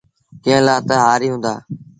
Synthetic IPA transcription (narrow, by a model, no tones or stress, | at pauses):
kɪ̃ɦə̃laːt̪əɦaːɾiːɦʊ̃ːnd̪a̰ː